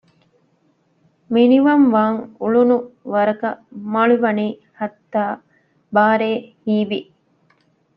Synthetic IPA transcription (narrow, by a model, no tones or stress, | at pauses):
miniʋɐmʋaːŋuɭunuʋɐɾɐkɐmɐɭuʋɐniːhɐt̪ːaː | baːɾeːhiːʋi